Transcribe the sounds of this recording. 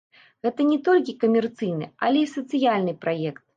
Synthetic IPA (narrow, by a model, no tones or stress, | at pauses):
ɣɛt̪ɐnʲɛt̪olʲkʲikɐmʲɛrt̪sɨjnɨ̰alʲɛisɐt̪sɨjalʲnɨpɾajɛkt̪̚